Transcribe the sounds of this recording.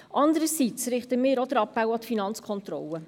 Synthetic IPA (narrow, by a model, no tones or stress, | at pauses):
ʔɑndəɾəsit͡sɾɪχtəmɪːɾɔdəɾɑpːawɑtfinɑnt͡skʰɔnt̪ɾɔ̰lə